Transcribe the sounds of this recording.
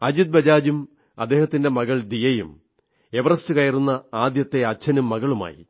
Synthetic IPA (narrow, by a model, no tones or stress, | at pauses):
ɐd͡ʑud̪̚bɐd͡ʑaːd͡ʑum | ɐ̰d̪ːe̞ːhɐt̪ːinde̞mɐɣɐɭd̪ijɐjṵm | e̞ʋɐrɐstɨkɐjɐrunːɐaːd̪jɐt̪ːe̞ɐt͡ɕʰːɐnumːɐɣɐɭuma̰ːjḭ